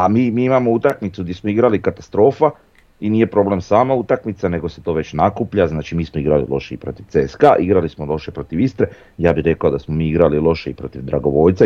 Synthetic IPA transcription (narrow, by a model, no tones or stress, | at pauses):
amiːmiːimamout̪akmit̪suɡd̪jesmoiɡɾalikat̪ḁst̪ɾo̞ːfa | iniːje̞pɾo̞ble̞msaːmaut̪akmit̪sane̞ɡose̞t̪o̞ːʋe̞t͡ɕnakupʎaznaːt͡ʃimiːsmoiɡɾalḭlo̞ʃeḭpɾo̞̰t̪iʋt̪eeskaʔiɡɾalismolo̞ʃepɾo̞t̪iʋist̪ɾe | jaːbiɾe̞klaod̪asmomiːiɡɾalilo̞ʃeipɾo̞t̪iʋd̪ɾaɡo̞ʋo̞jt̪sa